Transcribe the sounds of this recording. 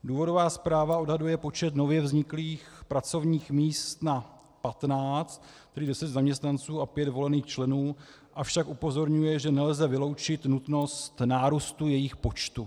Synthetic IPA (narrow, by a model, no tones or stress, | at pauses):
duːvo̞do̞vaːspɾaːvao̞dɦadujɛpo̞t͡ʃɛt̪no̞vjɛvzɲɪkliːxpɾat͡so̞vɲiːxmiːst̪na | pat̪naːt͡st̪ | ɛɾidɛsɛt̪zamɲɛst̪nant͡suːapjɛt̪vo̞lɛniːxt͡ʃlɛnuː | ʔafʃakʔupo̞zo̞ɾɲujɛʒɛnɛlzɛvɪlo̞wt͡ʃɪt̪nut̪no̞st̪naːɾuːst̪ujɛjɪxpo̞t͡ʃt̪u